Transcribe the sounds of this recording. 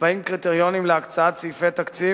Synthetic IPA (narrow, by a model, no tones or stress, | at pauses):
baimkʁit̪eʁjo̞nimleakt͡saat̪t͡sifet̪akt͡si